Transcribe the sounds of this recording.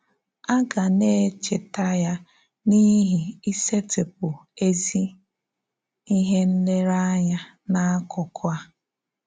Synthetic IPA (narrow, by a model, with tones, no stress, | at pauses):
a˦ɡa˨ne˦˨t͡ʃe˨ta˦ja˦ | ni˦ɦi˨i˦se˦te˨p̚ʊ˨e˦zi˦ | i˦ɦe˦n̩˦le˦ɾa˦ɲa˦ | na˦a˦kʊ˨kʊ˦a˦